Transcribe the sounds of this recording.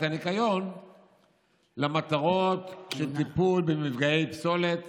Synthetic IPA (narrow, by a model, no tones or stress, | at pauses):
tanikajo̞n | lamat̪aʁo̞t̪ʃelt̪ipulbemivɡaejpso̞let̪